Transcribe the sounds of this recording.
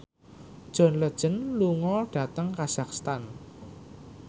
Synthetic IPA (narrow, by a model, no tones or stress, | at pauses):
d̥ʒ̥ɔ̤nləd̥ʒ̥ə̤nluŋɔɖ̥ä̤t̪əŋkaz̥akst̪an